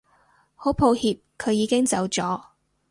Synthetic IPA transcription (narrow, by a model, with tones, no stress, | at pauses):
ho˨˥wpʰo˧whiː˧p̚kʰɵ˨˧ɥjiː˨˧kɪ˥ŋt͡sɐ˨˧wt͡sɔː˨˥